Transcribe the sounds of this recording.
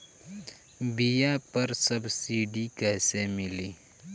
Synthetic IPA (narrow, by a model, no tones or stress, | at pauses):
bijapɐɾsɐbsiːɖikɛːsemɪliː